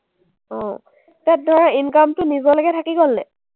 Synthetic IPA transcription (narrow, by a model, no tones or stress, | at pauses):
ɔ̃ | tat̚dʱɔɹainkamtʊnizɔlɔɡɛtʰakiɡolːɛ